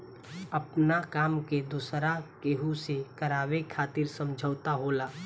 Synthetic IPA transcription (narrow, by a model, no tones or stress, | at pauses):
əpnakaːmked̪ʊsɾakeɦusekəɾaːʋekʰaːt̪ɪɾsə̃md͡ʒʱəːt̪aɦoːlaː